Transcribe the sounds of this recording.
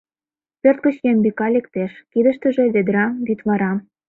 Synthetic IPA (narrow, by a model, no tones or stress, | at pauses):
pørt̪̚kə̆t͡ɕjembikɑlʲekt̪eʃkid̪ə̆ʃt̪ə̆ʒĕβed̪ɾɑmbit̪βɑɾɑ